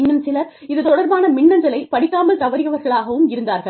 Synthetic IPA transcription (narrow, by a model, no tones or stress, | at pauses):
ɐnsɪlɐɾɪðɯt̪ɔɽɐɾbaːnɐmɪɳːɐnd̪ɐlɐɪpɐɽɪkːaːmɐlt̪ɐʋɐɾɪɣɐʋɐɾɣɐɭaːɣɐʋɯmɪɾɯnd̪aːɾɣɐɭ